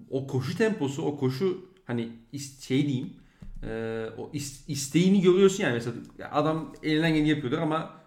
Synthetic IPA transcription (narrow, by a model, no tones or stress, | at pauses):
o̞kʰo̞ʃut̪ʰɛmpʰo̞suo̞kʰo̞ʃuhaniisʃejid̪ejim | ɛːo̰ʔisist̪ʰejiːniɟø̞ɾijo̞ɾsunjaːnimesela̰ʔa̰d̪amelʲinænɟenʲijapʰɯjolˠaɾama